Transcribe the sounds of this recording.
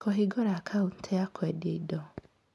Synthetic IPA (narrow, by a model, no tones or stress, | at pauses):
kɔɦiɡɔɾakʰaun̩tʰɛakʰɛdjeidɔ